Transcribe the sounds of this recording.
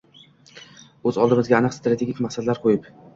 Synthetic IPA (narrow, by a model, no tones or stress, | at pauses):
ɵzɒlˠd̪ɪmɪzɡʲaanɨqsɪt̪ɾat̪ʰeɡʲikʲmaχsad̪laɾqʰojɪp